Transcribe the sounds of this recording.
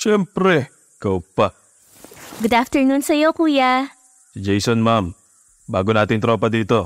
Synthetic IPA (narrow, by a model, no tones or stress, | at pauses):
ʃɛmpɾɛ | kɐwpa | ɡʊd̪aft̪ɛɹnunsɐjo̞kuːja | d͡ʒɛjsonmam | baːɡonaːt̪ɪŋt̪ɾoːpɐd̪iːt̪o̞